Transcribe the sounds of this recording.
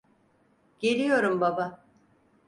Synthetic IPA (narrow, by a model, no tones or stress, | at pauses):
ɟ̥e̞lʲijo̞ɾumbaba